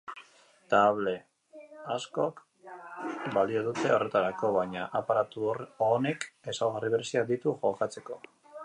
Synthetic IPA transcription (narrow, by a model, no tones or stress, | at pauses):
t̪aβ̞le̞ | asko̞k | balioðut̪e̞o̞re̞t̪aɾako̞βajɲaʔapaɾat̪uoneke̞sawɣariβeɾesiad̪it̪uʝo̞kat͡se̞ko̞